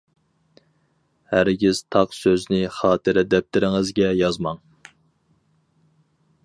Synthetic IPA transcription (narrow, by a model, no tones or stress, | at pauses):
hæɾɡʲiz̥t̪ʰɑqsøznɪχɑːt̪ʰɨɾɛd̪ɛp̚t̪ʰɪɾɪŋɪzɡʲɛjɑzmɑŋ